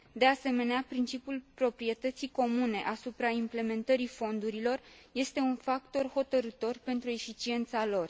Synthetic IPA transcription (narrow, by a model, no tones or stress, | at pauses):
d̪e̞ase̞me̞neapɾint͡ʃipʲjulpɾo̞pɾie̞t̪ət̪siko̞mune̞ʔasupɾaimple̞me̞nt̪əɾifo̞nd̪uɾilo̞r | je̞st̪e̞unfakt̪o̞rho̞t̪əɾɨt̪o̞rpe̞nt̪ɾue̞fit͡ʃie̞nt̪salo̞r